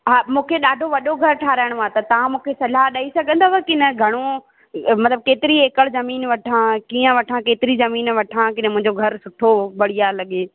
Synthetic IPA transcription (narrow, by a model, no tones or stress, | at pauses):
ɦaːmũːkʰeɗaːɖʱoʋɐɗoɡʱɐɾʈʰaːɾaːɪɽ̃oat̪ɐt̪ɐʋ̤ãmũːkʰesɐlaɦɗaːisɐɡʱə̃nd̪oːɐkɪnɐɡʱɐɽ̃o | mɐt̪ləb̚keːt̪ɪɾieːkəɭzɐmiːnʋɐʈʰãkiːə̃ʋɐʈʰãkeːt̪ɪɾizɐmiːnʋɐʈʰãkɪɗmʊ̃ɦɪ̃ɲd͡ʑoɡʱɐɾsʊʈʰobɐɽ̤ijalɐɠeː